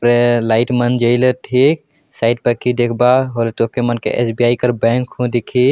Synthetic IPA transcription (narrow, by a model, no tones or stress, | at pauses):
pɾelaɪʈmənd͡ʒəɪlet̪ʰik̚ | saɪɖ̚pəkid̪ekʰbaɦolet̪okemənkḛʔḛsbiaːikəɾbɛ̃ŋkɦũd̪ikʰi